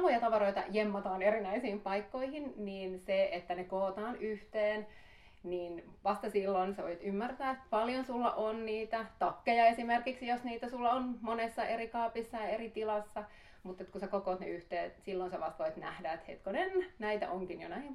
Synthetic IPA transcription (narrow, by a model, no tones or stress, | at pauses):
ʋojɑt̪ɑʋɑroit̪ɑ̰jemːɑt̪ɑːnerinæisiːmpɑikːoihinniːnseet̪ːænekoːt̪ɑːnyht̪eːn | niːnʋɑst̪ɑsilːonseʋo̰it̪ymːært̪æːet̪pɑljonsulːɑ̰ʔonniːt̪æt̪ɑkːejɑesimerkiksjosniːt̪æsulːɑonmonesːɑʔerikɑːpisːɑjɑerit̪ilɑsːɑ | mut̪ːet̪kusekokoːt̪nḛyht̪eːt̪silːonseʋɑst̪ʋoit̪næ̰hdæet̪hḛt̪konennæit̪æ̰ʔoŋkinjo̰næiiŋ